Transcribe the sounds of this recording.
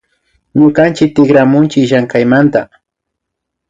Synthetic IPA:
ɲʊkant͡ʃɪk̚t̪ɪɡɾamʊnt͡ʃɪʃaŋkajmant̪a̰

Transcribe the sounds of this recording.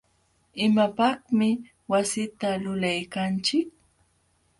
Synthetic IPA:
ɪmapɑχmɪ | wasɪt̪alʊlajkant͡ʃɪk̚

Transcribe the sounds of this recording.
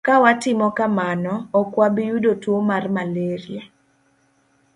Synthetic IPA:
kawatɪmɔkamanɔːkwabijudotwomarmaleɾja

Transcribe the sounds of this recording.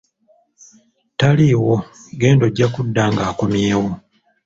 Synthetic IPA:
taliːwoɡeːndo̞ɟːakudːaːŋɡaːko̞mjeːwo

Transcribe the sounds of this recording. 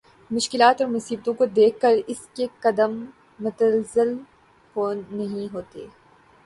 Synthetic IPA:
mʊʃkɪlaːt̪ɔːɾmʊsiːbt̪õkod̪eːkʰkəɾɪskekɐd̪əmː | ʊt̪əlzɪl | hoːnɐɦĩɦoːt̪eː

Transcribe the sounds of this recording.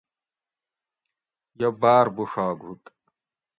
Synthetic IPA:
jɐbaːɾbuʂaːɡɦut̪

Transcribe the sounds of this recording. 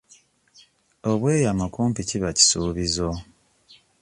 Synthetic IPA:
oβwe̞ːjamakuːmpiciβaci̥suːβizo

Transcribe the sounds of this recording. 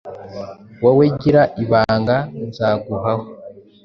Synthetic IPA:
waweɟiɾaʔiβaːŋɡazaːɡuɦaho

